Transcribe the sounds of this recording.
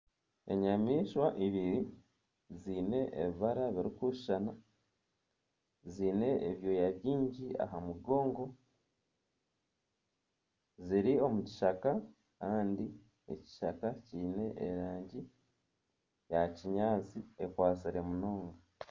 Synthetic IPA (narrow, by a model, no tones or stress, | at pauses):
e̞̰ɲamiːʃwaʔiβiɾi | ziːne̞ʔḛβiβaɾaβiɾikuʃi̥ʃana | ziːne̞ːβjo̞jaβjiːɲɟia̰ɦamuɡo̞ːŋɡo̞ | ziɾio̞muci̥ʃaka | kaːndi | ḛci̥ʃakaciːne̞ʔḛɾaːɲɟi | jaciɲaːt͡siekwaːt͡siɾe̞muno̞ːŋɡa